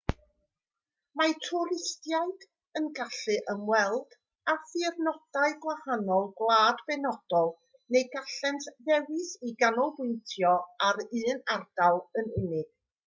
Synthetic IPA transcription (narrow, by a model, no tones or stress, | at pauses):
matʰɔɾɪstjaɨd̥ | ənɡaɬɨʔəmwɛlˠd̥ | afɨrnɔd̥aɨɡwahanɔlˠɡlˠaːdbɛnɔd̥ɔlˠ | nejɡaɬɛntʰðɛwɨsiɡanɔlˠbʊntʰjɔaɾɨːnard̥alˠənɪnɪɡ̥